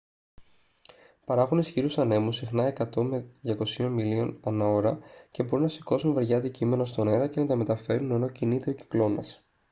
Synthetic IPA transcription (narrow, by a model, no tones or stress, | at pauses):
pɐɾɐxunisçiɾusɐne̞musixnɐe̞kɐt̪o̞meðʝɐko̞sio̞nmilio̞nɐnɐo̞ɾɐce̞bo̞ɾunɐsi̥ko̞sunve̞ɾʝɐd̪icime̞nost̪o̞ne̞ɾɐce̞nɐt̪ɐme̞t̪ɐfe̞ɾune̞no̞cinit̪ioci̥klo̞nɐs